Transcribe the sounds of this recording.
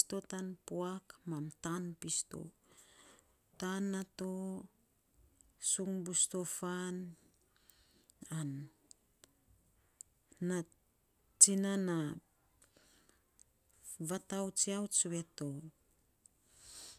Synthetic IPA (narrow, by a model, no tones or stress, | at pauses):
sto̞tanpoakmamtanpisto̞̰ | tanːato | suŋbusto̞fan | an | a | t͡ʃinana | vatawt͡ʃiawt͡ʃuwe̞to̞